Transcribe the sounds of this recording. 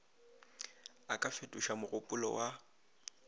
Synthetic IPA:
akʼafetʼuʃamʊɣʊpʼʊlɔ̰wʔa

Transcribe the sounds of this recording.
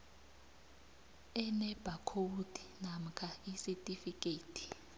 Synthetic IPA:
ɛnɛb̥ʱakʰodʱi̥nam̩kʰaisitʼifikʼeːtʼʰi̥

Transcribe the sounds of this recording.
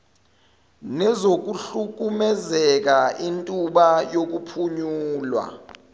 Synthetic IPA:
nɛzok̬uɬuk̬umɛzɛk̬aintʼuɓajok̬upʰuɲuːlwa̰

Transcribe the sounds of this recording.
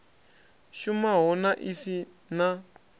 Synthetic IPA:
ʃumaɦɔnaʔisi | na

